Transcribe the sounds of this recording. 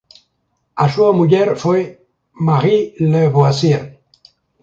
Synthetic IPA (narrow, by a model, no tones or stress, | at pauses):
asuamuʎeɾfwe | maɣileβoasie